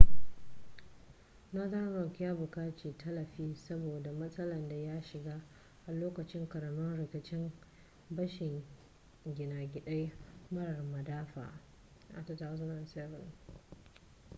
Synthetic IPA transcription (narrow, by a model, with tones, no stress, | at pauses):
na˦da˦ɾɔ˨kʲɪ˦ja˦bʊ˨kaː˦t͡ʃeː˨tʰɐ˦lɐ˨ɸiː˦sɐ˦boː˨da˨mɐ˦sʼɐ˦lɐ˨nda˨ja˦ʃɪ˨ɡaː˦ | ʔa˨loː˦kɐ˨t͡ʃɪ˦ŋkɐ˨ɾɐ˨mɔ˦nɽɪ˨kʲɪ˨t͡ʃɪ˦m | bɐ˦ʃɪ˨ŋ | ɡʲɪ˨naː˨ɡʲɪ˨ɗa˦jmɐ˦ɽɐ˨rmɐ˨daː˦ɸa̰ː˨ | ʔa̰˨tɐ˨ta˦wzʊ˦nɐ˨nsɛ˦vɪ˨n